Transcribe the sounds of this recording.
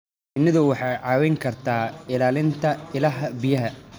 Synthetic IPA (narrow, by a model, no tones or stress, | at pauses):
ɪnːɪðʊwɑħɑːjʕɑːwɛjŋkʰɐrt̪ʰaːɪlaːlɪnt̪ʰɐɪlɐɦɐbijɐɦɐ